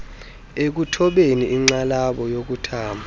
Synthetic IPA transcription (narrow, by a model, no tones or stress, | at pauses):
ek̬utʰɔɓeniʔːŋ͡ǀalaɓɔjok̬utʰaːmbʱa